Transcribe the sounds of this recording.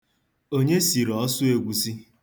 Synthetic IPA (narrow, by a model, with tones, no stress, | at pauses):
o˦ɲe˦si˨ɾɔ˦sʊ˦e˨ɡʷu˨si˦